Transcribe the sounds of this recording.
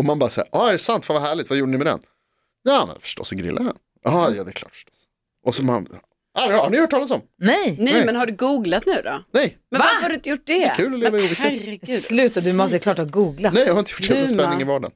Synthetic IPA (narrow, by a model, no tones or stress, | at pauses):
ɔmanbɑːɾasæ̰ːɾʔɑːæɾɛsant̪vanvaɦæːɭɪt̪vajuːɖənɪmɛd̪ɛ̰n | jaːmɛ̰nfœ̥ʂʈɔ̰sːɔɡɾɪ̰lʔa̰ɾha̰n | ʔɑːjɑ̰ːd̪ɛkʰlɑːʈfə̥ʂʈɔ̥s | ʔɔsɔma̰n | anhaɳɪœːʈ̚ʰːɑːlasɔmnɛjnɛmɛnhaɖɵɡuːɡlat̪nʉ̟ːd̪ɔnɛjmvahaɾɖɵɪnt̪əjʊʈ̚ːd̪ɛkʰʉ̟ːlɔleːvaɪuːvɪsaslʉ̟ːt̪ad̪ɵmɔst̪əɛklɑːʈhɑːɡuːɡlanɛjahaɾɪnt̪əjʊʈːɛspɛnːɪŋɪvɑːɖa̰n